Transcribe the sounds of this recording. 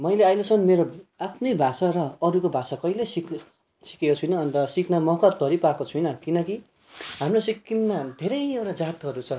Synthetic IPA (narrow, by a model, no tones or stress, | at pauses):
mʌjleajlet͡sʰʌnmeɾoapʰnʌjbʱasaɾʌːɾukobʱasakʌjlesikʰ | si̥kekot͡sʰujnʌːnt̪ʌsikʰnamʌkʌt̪ʌɾipakot͡sʰujnʌkinʌki | ɦamrosikːimmad̪ʱeɾʌjewɾad͡zat̪ɦʌɾut͡sʰʌ